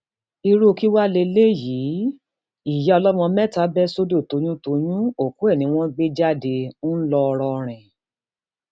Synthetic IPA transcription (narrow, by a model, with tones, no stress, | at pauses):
i˧ɾu˦˨ki˦wa˦le˧le˦ji˨˦ | i˦˨jɛ˨˦ɔ˧lɔ˦mɔ̃˧mɛ˦˨ta˦bɛ˦so˦do˦˨to˨˦j̃ũ˦to˧jũ˦o˨ku˨˦ɛ˦˨nĩ˨˦w̃ɔ̃˦ɡ͡be˦d͡ʒa˦de˧˦n̩˦lɔ˧ɔ˧ɾɔ˧ɾ̃ɛ̃˨